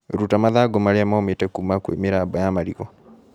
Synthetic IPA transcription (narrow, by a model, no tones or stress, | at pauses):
ɾutamaðaɡɔmaɾeamaometɛkumakwḛmeɾaːbɔjamaɾiɣɔ